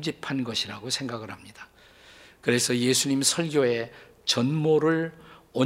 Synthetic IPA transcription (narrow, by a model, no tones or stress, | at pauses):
d͡ʑipʰanɡʌɕʰiɾaɡosʰe̞ŋɡaɡɯɾhamɲid̥a | kɯɾe̞sʰʌje̞sʰuɲimsʰʌɭɡjoe̞ | t͡ɕʌnmoɾɯɭʌ